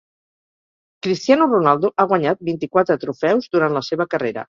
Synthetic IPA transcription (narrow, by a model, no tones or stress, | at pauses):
kɾist̪ianurunalˠd̪uʔaɣ̞waɲat̪̚bint̪ikwat̪ɾət̪ɾufɛwzd̪uɾant̪ləseβəkəreɾə̰